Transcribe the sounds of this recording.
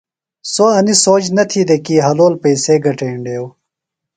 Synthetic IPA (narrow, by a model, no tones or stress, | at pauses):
soɐnisoːd͡ʑnɐt̪ʰid̪ekiɦɐloːlpejseːɡɐʈẽːɳɖeːw